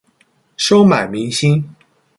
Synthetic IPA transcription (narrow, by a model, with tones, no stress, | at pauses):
ʂo˥ʊma˨˩ɪmi˧˥ŋɕi˥n